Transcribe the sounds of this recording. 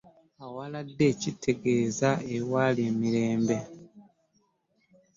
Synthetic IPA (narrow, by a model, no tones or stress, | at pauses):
awaladːe̞ːcitʰːe̞ɡe̞ːzaewaːleːmiɾe̞ːmbe̞